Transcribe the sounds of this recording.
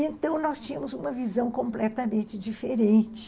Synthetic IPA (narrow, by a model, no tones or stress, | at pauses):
ẽnt̪ɐ̃w̃nɔst͡ʃĩɲɐmʊzũmɐvizɐ̃w̃kõmplɛt̪ɐmẽnt͡ʃɪd͡ʒifeɾẽnt͡ʃɪ̥